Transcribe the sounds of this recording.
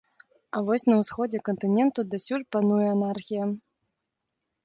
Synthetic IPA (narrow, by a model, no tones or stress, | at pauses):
ɐvɔsʲnɐwsxɔd͡zʲɛkɐnt̪ɨnʲɛnt̪ud̪asʲulʲpanujɛanarxʲijɐ